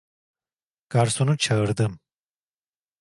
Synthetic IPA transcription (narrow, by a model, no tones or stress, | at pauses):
kaɾsunut͡ʃʰəɾd̪ɨm